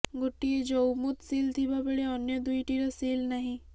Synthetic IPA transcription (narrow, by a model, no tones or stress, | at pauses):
ɡoʈːied͡ʒomʊt̪siːlt̪ʰibabɐɽeɔnjəd̪uiʈiɾasiːlnɐɦĩ